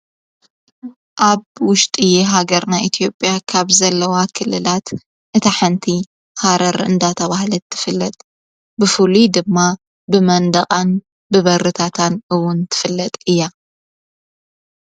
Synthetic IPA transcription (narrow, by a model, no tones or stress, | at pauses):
ʔaβwʊʃt̪ʼijɛɦaɡɐɾnaʔit̪ʰijo̞pʼjakʰaβzɐlːɐwakʰɨlːɨlat̪ | ʔɨt̪ʰaħɨnt̪ʰi | haɾɐɾɨnd̪at̪ʰɐβahlɐt̪ʰːɨ̥fɨlːɐt̪ʼ | bɨfulud̪ɨmːa | bɨmɐnd̪ɐχʼan | bɨβɐɾɨt̪ʰat̪ʰanʔɨwʊnt̪ʰɨ̥fɨlːɐt̪ʼɨjːa